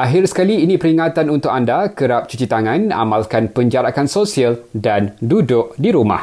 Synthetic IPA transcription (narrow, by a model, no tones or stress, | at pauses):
ʔaɦɪrsə̥kaliːnĩpəɾiŋat̪anunt̪ʊkandakəɾap̚t͡ʃut͡ʃit̪aŋãna̰mãlkanpəɲd͡ʒaɾakansosialdandudʊʔdiɾuma̰h